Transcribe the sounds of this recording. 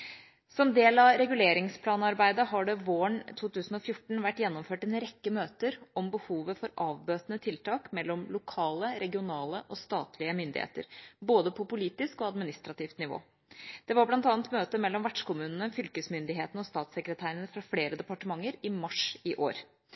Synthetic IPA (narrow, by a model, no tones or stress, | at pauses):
sɔmd̪eːlɑɾɛɡʉleːɾɪŋspʰlɑːnɑɾbæɪd̪əɦɑɖɛʋoːəɳt̪ʰuːt̪ʉːsn̩ɔfjʊʈɳ̩ʋæʈːjɛnːɔmføːʈɛnɾɛkːəmøːt̪əɾɔmbəhuːʋəfɔɾʔɑːʋbøːt̪ənət̪ʰɪlt̪ʰɑːkmɛlːɔmlʊkʰɑːləɾɛɡɪʊnɑːləʔɔst̪ɑːt̪lɪəmʏnd̪ɪ̰hḛːt̪ə̰ɾboːd̪əpʰɔpʊliːt̪ɪskɔɑd̪mɪnɪst̪ɾɑt̪ʰiːft̪nɪʋo̰ː | d̪̥ɛʋɑɾblɑnt̪ɑːnt̪møːt̪əmɛlːɔmʋæʈʂkʊmʉːnənəfʏlkəsmʏnd̪ɪɦeːt̪n̩ɔst̪ɑːt̪sɛkɾət̪ʰæːɾənəfɾɑfleːɾəd̪ɛpɑʈəmɑŋːəɾɪmɑʂɪʔo̰ːɾ